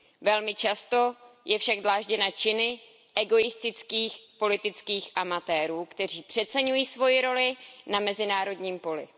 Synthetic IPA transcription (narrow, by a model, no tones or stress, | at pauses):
vɛlmɪt͡ʃast̪o̞jɛfʃaɡzlaːʒɟɛnat͡ʃɪnɪ | ʔɛɡo̞jɪst̪ɪt͡skiːxpo̞lɪt̪ɪt͡skiːxʔamat̪ɛːɾuːkt̪ɛr̝iːpr̝̥ɛt̪t͡sɛɲujiːsvo̞jɪɾo̞lɪnamɛzɪnaːɾo̞dɲiːmpo̞lɪ̰